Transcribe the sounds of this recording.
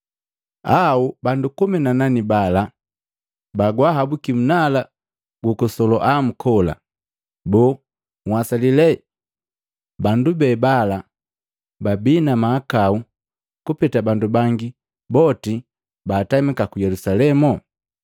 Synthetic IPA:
aubandukumɛnananibala | baɡwaɦabukim̩nala | ɡukɔsɔlɔʔam̩kʰɔla̰ | bɔ | ŋwasalilɛ | bandubɛːbala | babinamaːkau | kupɛtabandubaŋɡi | bɔti | baːtamikakujɛlusalɛmɔ

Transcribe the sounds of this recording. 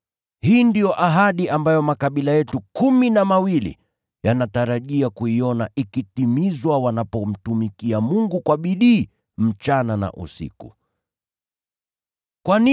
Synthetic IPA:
hiːndijɔʔaɦaɗiʔambajɔmakaɓilajɛtukuminamawilḭ | janataɾaʄiakuiɔnaʔikitimizwawanapɔm̩tumikiamuŋɡukwaɓiɗiː | m̩t͡ʃanana̰ʔṵsḭkṵ | kwani

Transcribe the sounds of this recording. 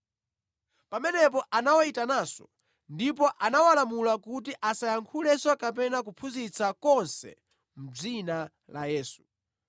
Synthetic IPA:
pamɛnɛp̬ɔʔanawaitanaːsɔ̰ | ndip̬ɔʔanawalamulakut̬iʔasajaŋkʰulɛswakap̬ɛnak̬upʰuzit͡sakɔnsɛ̰ | m̩d͡zina | la̰jɛːsu

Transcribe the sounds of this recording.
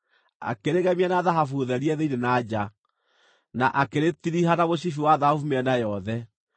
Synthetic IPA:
a̰keɾeɣɛmianaðaɦafuðɛɾiɛðeinenad͡ʑa | naʔakeɾetiɾihanaβoɕ̬ifiwaðahafumɛnajɔðɛ

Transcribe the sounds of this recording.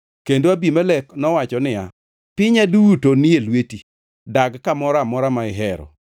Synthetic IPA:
kendoabimaleknɔwat͡ʃɔnɪja̰ | pɪɲaduwutonielweti | daɡkamɔɾamɔɾamaɪɦɛɾɔ̰

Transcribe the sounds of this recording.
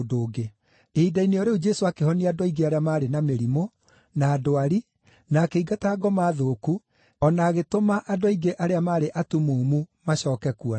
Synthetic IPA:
doːɡe | eidaineoɾeud͡ʒɛsoakehɔniadɔiɡeaɾeamaːɾenameɾimo | naːdoaɾi | naːkeiɡataːɡɔmaːðoːku | ɔnaːɣetomaʔadwaiɡeʔaɾeamaːɾeʔatumoːmumaɕɔːkɛkua

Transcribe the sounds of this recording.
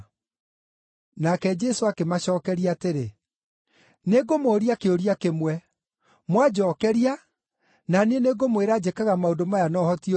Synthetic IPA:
nakɛd͡ʒɛsoakemaɕɔːkɛɾiateɾe | neɡomoɾiakeoɾiakemwɛ | mwad͡ʑɔːkɛɾia | naneneɡomweɾad͡ʑekaɣamaodomajanɔhɔti

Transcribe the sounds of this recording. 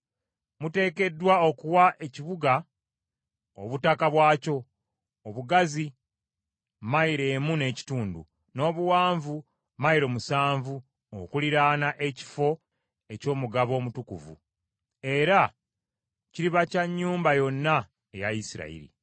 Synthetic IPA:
mute̞ːke̞dːwaokuwaʔe̞ciβuɡa | o̰βutakaβwaːco̞ | oβuɡazi | maiɾe̞ːmune̞ːci̥tuːndṵ | no̞ːβuwaːɱvu | maiɾo̞musaːɱvu | o̰kuliɾaːnaʔe̞ci̥fo̞ | e̞co̞ːmuɡaβo̞ːmutukṵvṵ | e̞ɾa | ciɾiβacaɲːuːmbajo̞nːa | ejaisiɾa̰ḭɾḭ

